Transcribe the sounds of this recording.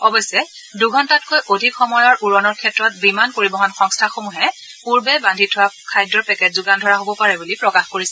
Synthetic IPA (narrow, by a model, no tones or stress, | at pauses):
ɔbɔjsɛ | duɡʱɔntatkojʔodʱikxɔmɔjɔɹʔuɹɔnɔɹkʰɛtɹɔt̚bimankoɹibɔɦɔnxɔŋstʰaxomuɦɛ | puɹbɛbandʱitʰʊwakʰajdɹɔɹpɛkɛtzuɡandʱɔɹaɦobɔpaɹɛbulipɹɔkaxkoɹisɛ